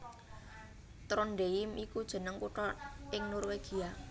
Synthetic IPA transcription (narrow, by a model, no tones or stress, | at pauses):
t̪ɾɔnɖeɪmikud̥ʒ̥ə̤nəŋpuʈɔɪŋnɔrweɡ̥i̤a